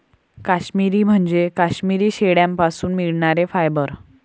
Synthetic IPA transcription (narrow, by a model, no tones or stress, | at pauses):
kaɕmiɾiːm̤əɳd͡ʑekaɕmiɾiːɕeɽjãmpasuːnmiɭɳaɾefajbəɾ